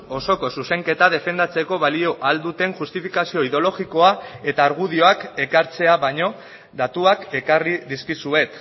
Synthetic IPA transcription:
o̞so̞ko̞suse̞ŋke̞t̪að̞e̞fe̞nd̪at͡se̞ko̞βalio̞ʔald̪ut̪e̞ŋʝust̪ifikasio̞iðo̞lo̞ɣiko̞ae̞t̪aːɾɣ̞uð̞io̞ake̞kaɾt͡se̞aβaɲo̞ | d̪at̪uake̞kariðiskisue̞t̪

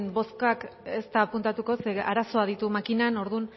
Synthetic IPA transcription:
nbo̞skake̞st̪aːpunt̪at̪uko̞seʔa̰ɾaso̞aðit̪umakinano̞ɾðun

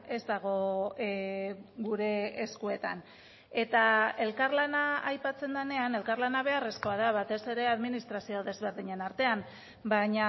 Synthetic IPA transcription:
e̞zt̪aɣ̞o̞ | ɣuɾe̞ːskue̞t̪a̰n | e̞t̪ae̞lkaɾlanaajpat͡se̞nd̪ane̞ane̞lkaɾlanaβ̞e̞aresko̞aðaβat̪e̞se̞ɾe̞aðminist̪ɾasioðe̞zβe̞ɾðiɲe̞naɾt̪e̞am | baɲa

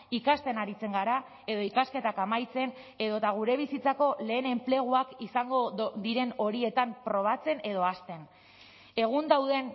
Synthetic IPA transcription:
ikast̪e̞naɾit͡se̞ŋɡaɾa | e̞ðo̞ikaske̞t̪akamajt͡se̞ne̞ðo̞t̪aɣ̞uɾe̞β̞isit͡sako̞le̞ːne̞mple̞ɣ̞uakisaŋɡo̞ðiɾe̞no̞ɾie̞t̪ampɾo̞β̞at͡se̞ne̞ð̞o̞ast̪e̞n | e̞ɣ̞und̪awðe̞n

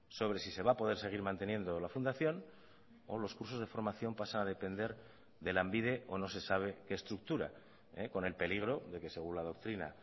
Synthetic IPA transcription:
so̞β̞ɾe̞sise̞βapo̞ð̞e̞ɾse̞ɣ̞iɾmãnt̪e̞nje̞nd̪o̞lafund̪aθjo̞n | o̞lo̞skuɾso̞zðefo̞ɾmaθjo̞mpasanaðe̞pe̞nd̪e̞ɾ | ðe̞lambið̞e̞ʔo̞no̞se̞saβ̞e̞ke̞eːst̪ɾuk̚t̪uɾa̰ | eko̞ne̞lpe̞liɣ̞ɾo̞ðe̞ke̞se̞ɣunlað̞o̞k̚t̪ɾina̰

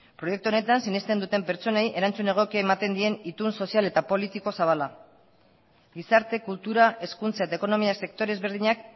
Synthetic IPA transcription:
pɾo̞je̞k̚t̪uo̞ne̞t̪ansinest̪e̞nd̪ut̪e̞mpe̞ɾt͡so̞ne̞jʔe̞ɾant͡sune̞ɣ̞o̞kiaemat̪e̞nd̪ie̞nit̪unso̞siale̞t̪apo̞lit̪iko̞saβ̞ala | ɡisaɾt̪e̞kult̪uɾaʔe̞skunt͡sae̞t̪aeko̞no̞miase̞k̚t̪o̞ɾe̞zβe̞ɾð̞iɲak

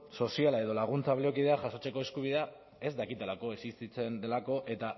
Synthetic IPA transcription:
so̞sialae̞ðo̞laɣ̞unt͡saβleok̬ið̞e̞aʝaso̞t͡seko̞e̞skuβiðe̞a | e̞zd̪akit̪e̞lako̞esist̪it͡se̞nd̪elako̞ʔe̞t̪a

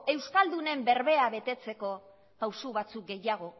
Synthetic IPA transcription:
e̞wskald̪une̞mbe̞ɾβe̞aβe̞t̪e̞t͡se̞ko̞ | pawsuβat͡suk̚ɡe̞jaɣ̞o̞

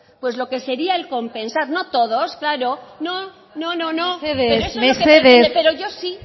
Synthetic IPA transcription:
pwe̞zlo̞ke̞se̞ɾiaelko̞mpe̞nsaɾno̞t̪o̞ðosklaɾo̞no | no̞nonoθeðeeɾoesmeoθeðesepeɾo̞ʝo̞si

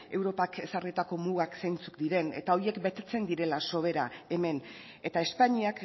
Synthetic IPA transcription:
e̞wɾo̞pake̞sarit̪ako̞muɣaksejnt͡su̥kd̪iɾe̞ne̞̰t̪ao̞ie̞kbe̞t̪e̞t͡se̞nd̪iɾe̞laso̞β̞e̞ɾae̞me̞n | e̞t̪ae̞spaɲiak

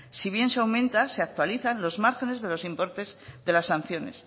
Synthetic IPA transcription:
siβ̞je̞nseawmẽ̞nt̪aseak̚t̪waliθanlo̞zmaɾxe̞ne̞zðe̞lo̞simpo̞ɾt̪e̞zðe̞lasːan̟θjo̞ne̞̰s

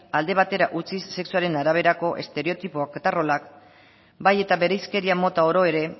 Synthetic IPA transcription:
ald̪e̞β̞at̪e̞ɾaʔut͡sisːe̞ksuaɾe̞naɾaβ̞e̞ɾako̞ʔe̞̰st̪e̞ɾe̞o̞t̪ipoakt̪aro̞lak | baje̞t̪aβe̞ɾejske̞ɾiamo̞t̪ao̞ɾo̞e̞ɾe̞

